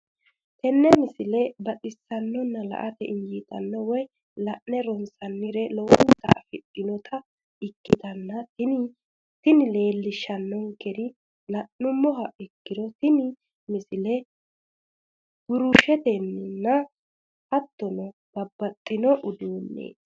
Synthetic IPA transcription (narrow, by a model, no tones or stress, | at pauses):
t̪ɛnːɛmɪsɪlɛbɐtʼɪsːɐnːɔnːɐlɐ̰ʔɐt̪ɛɪnjiːt̪ʼɐnːɔwɔj | lɐʔnɛɾɔnsɐnːɪɾɛlɔwɔnt̪ːɐ̰fɪtʼːɪnɔt̪ʰɐ | ɪkːɪt̪ɐnːɐt̪ɪnɪ | t̪ɪnɪle̞ːlːɪʃɐnːɔŋkɛd̪ɪ | lɐʔːʊmːɔɦɐʔɪkːɪd̪ɔt̪ɪnɪ | mɪsɪlɛ | ɡ̥ʊɾuʃɛt̪ɛnːɪnːɐ | hɐt̪ːɔnɔ | b̥ɐbːɐt̪ʼːɪnɔʔʊd̪uːnːḛː